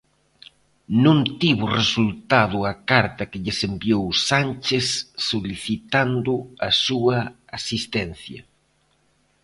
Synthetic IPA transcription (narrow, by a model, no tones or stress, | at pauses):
nũnt̪iβʊresult̪aðʊɐkaɾt̪ɐkɪʎɪsembiowsanʲt͡ʃesːoliθit̪and̪ʊɐsuɐ | asist̪ɛnθjɐ̰